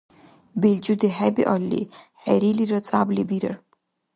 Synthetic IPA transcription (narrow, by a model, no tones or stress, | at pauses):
beld͡ʒud̪iɦɛbḭʔɔlːḭħɛɾiliɾɔt͡sʼablibiɾə̰ɾ